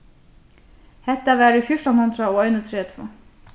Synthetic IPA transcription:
hɛht̪ːavɛːɾɪfjʊʂʈɔnhʊnt̪ɾaɔɣœɥnət̪ʰɾɛːt̪ʰvo̰ː

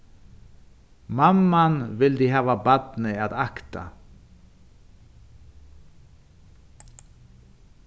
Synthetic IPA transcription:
mamːanvɪld̪iɦɑːvabad̪nɪaðakt̪a̰

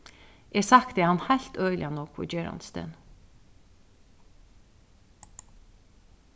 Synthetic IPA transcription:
ɛsakt̪ɪhanːhajl̥t̪œːʏlɪanɔːkʰʋʊ̰d͡ʒɛːɾa̰nst̪ʰɛ̰n

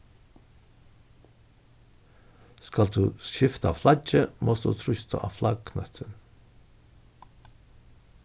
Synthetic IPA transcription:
skɑld̪ʉːsçɪft̪ɑ̰ːflɑd͡ʒəmɔsd̪ʉ̰ːt̪ʰɾʏst̪ʰə̰ʔɑ̰ːflɑɡkʰnœ̰t̪ʰən

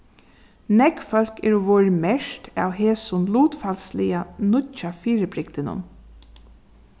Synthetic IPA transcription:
nɛkfœl̥kɛɹuʋoːɹmɛʃta̰ːwheːsʊnluːt̪falslɪanʊcːafiːɾəbɾɪk̚t̪ɪnʊ̰n

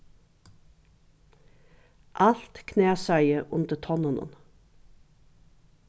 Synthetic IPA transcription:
ʔɑlt̪kʰneːsœʏəʔʉnt̪ət̪ʰɔnɔnə̰n

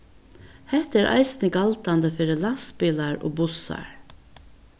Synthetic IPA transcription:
hɛht̪æːɾʔɑ̰ɪsnɪɡalt̪and̪əfɪːɾəlaspɪlaɹo̰ːbʊsa̰ɹ

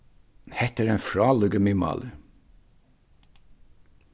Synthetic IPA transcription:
hɛt̪əɾenfɾɑːlʉɡəmɪmɑ̰ːlə

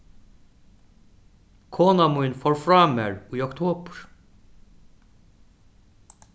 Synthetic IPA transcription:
kʰɔːnamujnfɔɹfɾaːmɛɹujɔkt̪ʰoːpɹ̥

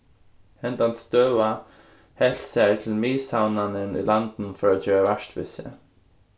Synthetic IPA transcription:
hɛnt̪ant̪st̪œːwa | hɛɬt̪saɹt̪ʰɪlmiːsawnanɪnḭlant̪n̩fɔɹat̪d͡ʒœːɹavaʂt̪vɪ̰sə̰

